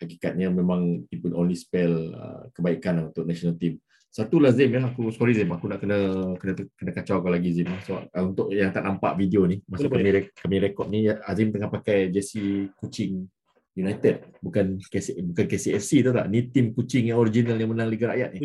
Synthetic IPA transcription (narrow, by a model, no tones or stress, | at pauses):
hakikat̪̚ɲəmẽmãŋpipənonlispɛlə̰kəbaikanaunt̪ʊʔ̚naʃonalt̪im | sat̪ulazimjaakuskɔɾizəmakunaʔkənəkənəkənəkat͡ʃawkalaɡizimasəba̰p̚unt̪ʊʔjaŋt̪a̰ʔnampa̰ʔvidionimasʊʔkamĩɾekamĩɾekɔt̪̚nijaazimt̪əŋahpakajd͡ʒɛsikut͡ʃɪŋ | junajt̪əd̚bukankesbukankesiɛfsit̪ut̪a̰ʔnit̪imkut͡ʃɪŋɲəoɾid͡ʒinalɲamənãŋliɡaɾa̰ʔja̰t̪̚ni